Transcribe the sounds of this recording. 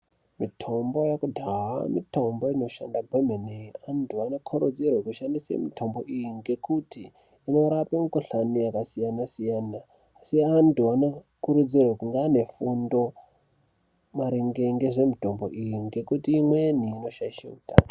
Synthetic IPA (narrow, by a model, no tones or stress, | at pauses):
mitʰo̞mbo̞jakudʱaɦa̰mḭto̞mbo̞ino̞ʃandabʱwemeneantʰuano̞kʰoɾud͡zirwekuʃandisḛmitʰo̞mbo̞ʔijiŋɡe̞kutiː | no̞ɾapemukoɬaniakasijanasijanaː | siantuano | kuɾud͡zirwekuŋɡaːne̞fundo̞ | maɾiŋɡeŋɡeʐe̞mito̞mbo̞̰ʔijiŋɡe̞kutiːmwe̞niːno̞ʃaiʃḛuta̰n